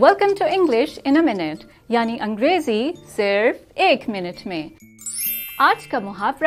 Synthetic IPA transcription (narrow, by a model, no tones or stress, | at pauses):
wɛlkə̃mʈuɪ̃ŋɡlɪʃɪ̃nəmɪnɪʈ | jaːniʔɐ̃ŋɡɾeːzisɪɾfeːkmɪnɪʈmẽ | aːd͡ʒkamʊɦaːbɾ